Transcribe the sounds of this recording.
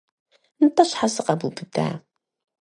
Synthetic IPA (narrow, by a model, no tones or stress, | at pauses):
nət̪ˤːɑʃħasəqabubɨd̪a̰ʕ